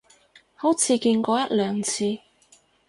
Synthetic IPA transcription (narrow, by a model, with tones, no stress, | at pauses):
ho˨˥wt͡sʰiː˨˧kiː˧nkɔː˧jɐ˥t̚lœː˨ŋt͡sʰiː˧